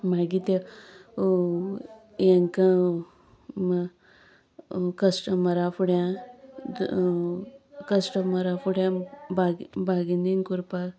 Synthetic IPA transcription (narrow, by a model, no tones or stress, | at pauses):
maɡit̪e | jeŋka | m | kəsʈəməɾafuɽjã | kəsʈəməɾafuɽjãbaɡbʱaɡiniŋkuɾpa